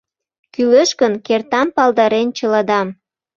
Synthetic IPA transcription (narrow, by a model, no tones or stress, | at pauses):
kyləʃkənkert̪ɑmpɑld̪ɑɾent͡ɕəlɑd̪ɑm